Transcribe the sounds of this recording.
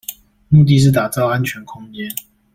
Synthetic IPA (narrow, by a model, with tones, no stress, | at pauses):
mu˥˧t̪̬i˥˧ʂ̬ɻ̩˥˩t̪a˨˩t͡sɑ˥˩ʊa˦nt͡ɕʰɥɛ˨˧˦nkʰʊ˥˦ŋt͡ɕɛ˦n